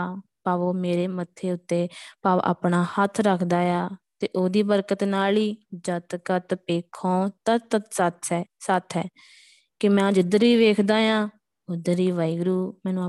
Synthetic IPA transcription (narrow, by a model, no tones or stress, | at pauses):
paːʋoːmeːɾeːmət̪ʰːeːʊt̪ːeːpaːʋʔa̰ːpɳaːhət̪ʰɾəkʰd̪aːjaːt̪eːʔoːd̪iːbəɾkət̪naːliːd͡ʒət̪kət̪peːkʰːõːt̪ət̪ət̪sət̪ʰɛːsət̪ʰɛː | kɪmɛ̃ːd͡ʒɪd̪əɾʋiːʋeːkʰd̪aːjãː | ʊd̪əɾiːʋaːiːɡɾuːmɛ̃ːnũː